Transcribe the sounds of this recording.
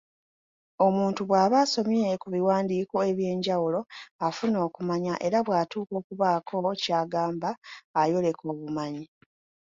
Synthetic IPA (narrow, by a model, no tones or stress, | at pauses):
o̞muːntuβwaːβaːso̞mjekuβiwaːndiːko̞e̞βje̞ːɲɟawulo̞afuno̞ːkumaɲaʔe̞ɾaβwaːtuːko̞ːkuβaːkʰo̞caːɡaːmbaːjo̞le̞kʰo̞ːβumaɲi